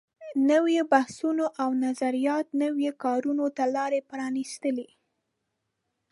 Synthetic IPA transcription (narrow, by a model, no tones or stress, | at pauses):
nəwebahsunoʔawnazaɾijɑt̪̚nəwjekɑɾunot̪alɑɾepɾɑnist̪əli